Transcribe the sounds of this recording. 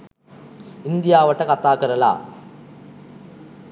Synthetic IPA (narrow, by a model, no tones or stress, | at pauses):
ind̪ijaːʋɐʈːɐkɐt̪aːkɐɾɐla̰ː